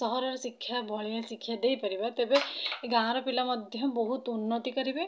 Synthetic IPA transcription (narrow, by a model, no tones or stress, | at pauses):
sɔɦɔɾɔɾsikʰːjabʱɔɭiẽsikʰːjad̪eipɐɾibat̪eːbeɡãːɾɔpilamɐd̪ʱjɔbɔɦut̪ʊnːət̪ikɐɾibe